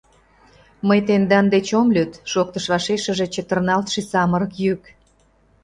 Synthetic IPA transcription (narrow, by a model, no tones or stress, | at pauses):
məjt̪end̪ɑnd̪et͡ɕomlʲyt̪ʃok̚t̪əʃβɑʃeʃəʒe̽t͡ɕet̪ərnɑlt̪ʃisɑməɾəkjyk